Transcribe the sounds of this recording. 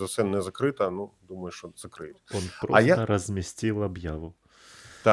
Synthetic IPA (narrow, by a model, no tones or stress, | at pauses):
zɐsɛnɛzɐkɾɪt̪ɐnud̪umɐjʊʃt͡ʃɔz̥ɐkɾɪ̰tʲɔnpɾɔɐjat̪ɐɾɐzʲmʲisʲtʲilˠɐbjaʋʊ | t̪a